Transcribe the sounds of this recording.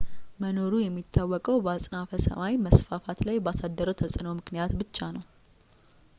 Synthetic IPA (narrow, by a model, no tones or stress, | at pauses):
məno̞ɾujɛmːit̪ʰːawːɔkʼəwbəasʼnafəsə̰mawiməsfafat̪lajbasad̪ːəɾəwt̪ʰəsʼɨnəwmɨknijat̪bɨt͡ʃːanəw